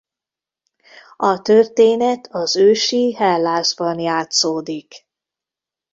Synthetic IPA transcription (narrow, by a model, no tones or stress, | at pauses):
ɒt̪ørt̪eːnɛt̪ʰɒzøːʃiɦɛlːaːzbɒnjaːt̪soːd̪ik